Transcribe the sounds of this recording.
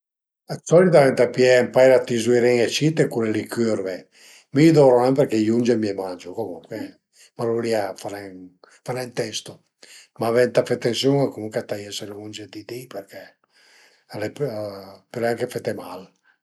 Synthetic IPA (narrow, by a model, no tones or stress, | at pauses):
asɔlit̪avɛnt̪apiɛmpajlat̪izuiɾɛŋet͡ʃit̪ekuɾɛlikʰyɾvɛ | mid̪ɔɾoampɛɾkɛjund͡ʒemiɛmand͡ʒokomṵŋkwe | maloliafaɾɛŋ | faɾɛnt̪ɛst̪o | mavɛnt̪afɛt̪ːensjuŋakomuŋkwɛt̪ajɛselund͡ʒed̪id̪ipɛrkɛ | alɛppɛɾaŋkefɛt̪ːemal